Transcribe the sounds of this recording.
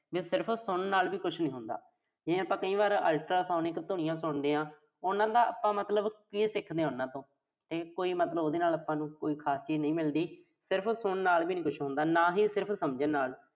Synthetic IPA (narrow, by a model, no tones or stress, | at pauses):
biːsɪɾpʰsʊɳnaːlʋiːkʊt͡ʃʰnĩːɦʊnd̪a̰ː | d͡ʒɪnẽːapãːkəĩːʋaːɾəːlʈɾaːsaːnɪkt̪ʊnɪ̃jãːsʊɳd̪ẽːãː | ʊnãːd̪aːəpːãːmət̪ləbkiːsɪkʰd̪eːɦʊnːãːt̪õː | t̪eːkoːiːmət̪ləboːd̪eːnaːlaːpːãːnũːkoːiːkʰaːst͡ʃiːd͡ʒnəĩːmɪld̪iː | sɪɾpʰsʊɳnaːlbiːnĩːkʊt͡ʃʰɦʊ̃nd̪aːnãːɦiːsɪɾpʰsəmd͡ʒənaːl